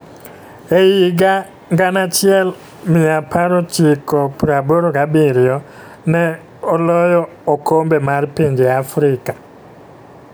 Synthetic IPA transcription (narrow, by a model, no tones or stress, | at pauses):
ejiɡa | ŋɡanat͡ʃɪɛl | mɪapʰaɾot͡ʃikɔpɾaboɾoɡabiɾjɔ | nɛ | ɔlɔjɔ | okombemarpiɲd͡ʒeafɾɪka